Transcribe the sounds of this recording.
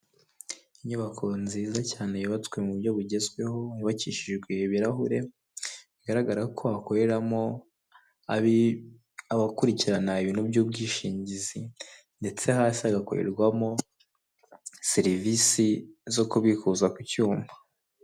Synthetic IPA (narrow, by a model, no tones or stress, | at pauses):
iɲuβakʰonziːzacaːne̞jiβat͡swe̞muβuɾɟo̞βuɟe̞zɡwe̞ho̞iβaciːʃiʒɡweβiɾaɦuɾe̞ | βiɡaɾaɡaɾakʰo̞akoɾe̞ɾamo̞ | a | aβakuɾiciɾanaiβinubɟub̚ɡiːʃiːɲɟizi | nde̞t͡se̞ɦaːsiaɡako̰ɾḛɾɡwamo̞ | seɾivisizo̞kuβikuzakucuːmba